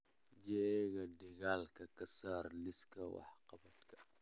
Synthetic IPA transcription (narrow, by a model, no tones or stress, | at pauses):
d͡ʒɛɡɐdiɡalkɐkɐsarliskɐwa̰ħqɐbɐtkɐ̥